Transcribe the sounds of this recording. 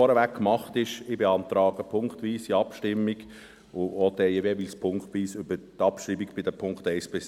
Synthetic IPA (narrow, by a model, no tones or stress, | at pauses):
ɔɾəʋækkːmɑχtɪʃɪbeɑnt̪ɾɑːɡəpʰʊŋkχtʋiːsiɑpʃtɪmːiɡ | ʊoːdɛjevevilspʰʊŋktʋiːsʏb̥ətɑpʃɾiːbiɡb̥ɪdəpʰʊŋkχtɛɪsb̥ɪs